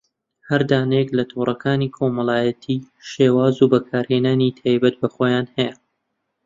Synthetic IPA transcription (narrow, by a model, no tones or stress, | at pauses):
hɐɾd̪aːnejɛklɐt̪ʰoːrˤɐkʰaːniːkʰoːmɐlˠaːjɐt̪ʰiː | ʃeːwaːzubɐkʰaːɾheːnaːnit̪ʰaːjbɐt̪̚bɐχoːjaːnhɛjɐ